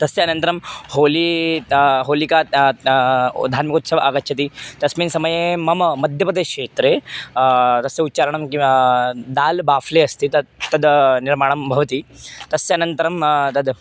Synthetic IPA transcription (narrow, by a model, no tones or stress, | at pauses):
t̪ɐseɐnɐnt̪ɐɾɐmhoːli | ɦoːlika | d̪ʱaːɾmikut̪sɐʋɐʔakɐtːɕʰɐt̪iːt̪ɐsmiːnsɐmɐjemɐməmɐd̪ʱjɐpɐd̪ekʂeːt̪ɾe | t̪ɐseut̪ːt͡ɕaːɾɐɳɐmkĩʋad̪aːlbaːfleɐst̪iːt̪ɐt̪ːɐd̪niɾmaːɳɐmbʱɐʋɐt̪iːt̪ɐsːeɐnɐnt̪ɐɾɐmt̪ɐd̪